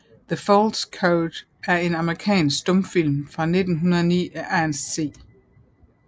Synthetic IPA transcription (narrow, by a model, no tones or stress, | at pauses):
ðəfɒld̥skʰoʊd̥ | æɐe̝nɑ̈məʁikʰɛ̰ːnsɡ̥sd̥ɔ̽mfil̰mfʁɑ̈ne̝d̥n̩ɦunɐðˠɐnḭːæʔænsːe̝̰ː